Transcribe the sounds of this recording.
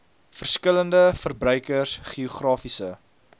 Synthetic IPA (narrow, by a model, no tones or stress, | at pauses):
fərskələndəfərbrœɥkərsχiuχrɑːfisə